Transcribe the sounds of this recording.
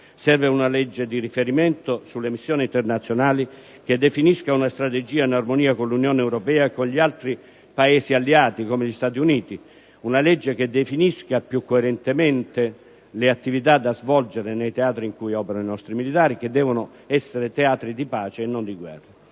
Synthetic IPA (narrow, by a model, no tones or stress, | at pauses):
sɛrveunalɛd͡ʒːed̪irifeɾiment̪osulːemisːjoːnint̪ernat̪sːjonaːli | k̟ed̪ːefiniskaunast̪ɾat̪ed͡ʒiːainarmoniːakonlunjoɔːneɛwɾɔpɛːaekːonʎialt̪ɾi | paeːsialːiaːt̪ikomeʎist̪aːt̪iuniːt̪i | unalɛd͡ʒːeked̪ːefiniskapjukːoeɾɛnt̪emɛnt̪e | leat̪ːivit̪̬ad̪ːazvɔld͡ʒeɾenejt̪eaːt̪ɾiŋkujɔːpeɾanoinɔst̪ɾimilit̪aːɾik̟ed̪ːɛːvono | ɛsːeɾet̪eaːt̪ɾid̪ipaːt͡ʃeːnːond̪iɡwɛ̰rːa